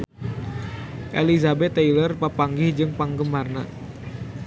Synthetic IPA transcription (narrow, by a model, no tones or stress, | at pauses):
ʔḛlizabɛt̪ːailərpapaŋɡɪhd͡ʒɨŋpaŋɡəmarna̰